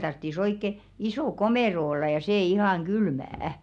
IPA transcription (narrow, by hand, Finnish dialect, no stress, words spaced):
tɑrtːis oikːe isoˑ komeˑro olːɑ jɑ seˑ ihɑˑŋ ɡ̊ylmææ̆